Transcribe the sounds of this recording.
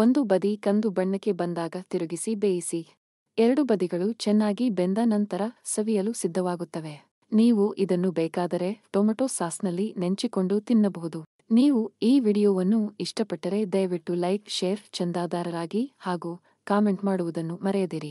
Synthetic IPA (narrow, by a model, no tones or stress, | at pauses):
o̞nd̪ubɐd̪ikɐnd̪ubɐɳːɐkːe̞bɐnd̪aːɡɐt̪iɾuɡisibeːjisi | ɛɾɐɽubɐd̪iɡɐɭut͡ʃɛnːaːɡibend̪ɐnɐnt̪ɐɾɐsɐʋijɐlusid̪ʱːɐʋaːɡut̪ːɐʋe̞ | niːʋuʔid̪ɐnːubɛːkaːd̪ɐɾe̞ʈoːmɐʈoːsaːsnɐlːineɲt͡ʃiko̞ɳɖut̪inːɐbɐɦud̪u | niːʋuiːʋiːɽijoːʋɐnːuiʂʈɐpɐʈːɐɾe̞d̪ɐjɐʋiʈːulɐjpʃeːɾt͡ʃɐnd̪aːd̪aːɾɐɾaːɡihaːɡuː | kaːme̞ɳʈmaːɽuʋud̪ɐnːumɐɾɛjɐd̪iːɾi